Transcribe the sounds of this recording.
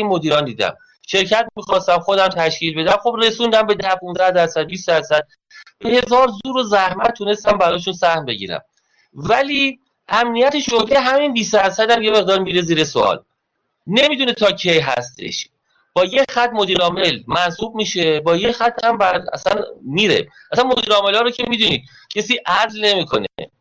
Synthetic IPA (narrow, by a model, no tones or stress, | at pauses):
inmo̞d̪iːɾɒːnd̪iːd̪æ̰m | ʃe̞ɾcʰæt̪̚miːxɒːst̪æmxo̞d̪æmt̪ʰæʃkciːlbe̞d̪æmxo̞bre̞suːnd̪æmbe̞d̪æhpunzæhd̪æɾsæd̪̚biːsd̪æɾsæd̪̥̚ | b̥ehe̞zɒːɾzuːɾozæhmæt̪̚t̪ʰːune̞st̪æmbæɾɒːʃ̬unsæhmbe̞ɟḭːɾæ̰m | væli | ʔæmnijæt̪ʰeʃod̪eɦæminbiːsd̪æɾsæd̪æmjeme̞ɣd̪ɒːɾmiɾeziːɾesoɒ̰l | ne̞miːd̪unet̪ʰɒːcʰejɦæ̰st̪e̞̰ʃ | b̥ɒːjexæt̪̚mo̞d̪iːɾɒːme̞lmænsuːb̚miːʃebɒːjexæt̪ʰːhæmbædæ̰sænmiːɾḛ | ʔæsænmo̞d̪iːɾɒːme̞lɒːɾocʰe̞miːd̪uniːd̪̥̚ | cʰe̞siːʔæzlne̞miːkʰo̞̰nḛ